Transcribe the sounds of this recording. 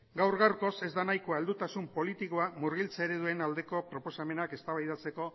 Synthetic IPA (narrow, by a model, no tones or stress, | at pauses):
ɡawrɣaɾko̞se̞zd̪anajkoaeld̪ut̪asumpo̞lit̪iko̞amuɾɣ̞ilt͡saeɾe̞ðue̞nald̪e̞ko̞pɾo̞po̞same̞nake̞st̪aβajðat͡se̞ko̞